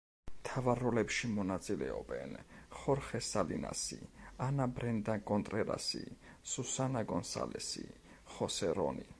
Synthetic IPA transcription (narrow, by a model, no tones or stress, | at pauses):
mt̪ʰavaɾːɔlɛpʃimɔnat̪sʼilɛɔbɛnχɔɾχɛsalḭna̰sianabɾɛnd̪akʼɔnt̪ʼɾɛɾa̰sisusanaɡɔnsa̰lɛsi | χɔsɛɾɔni